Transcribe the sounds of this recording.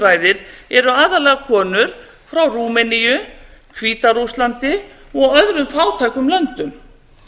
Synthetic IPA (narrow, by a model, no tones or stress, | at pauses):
ɾaːjðɪɾɛɾʏaːðalɛːɣakʰɔːnʏɾ̥ | fɾawɾuːmɛnijʏkʰviːt̪aɾuslant̪ɪ | ɔɣœðɾʏmfaːwt̪ʰaːjkʏmlœnt̪ʏm